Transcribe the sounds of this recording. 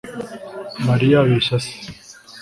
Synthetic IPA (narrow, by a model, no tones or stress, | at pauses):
mɐɾijaːweːɕɐs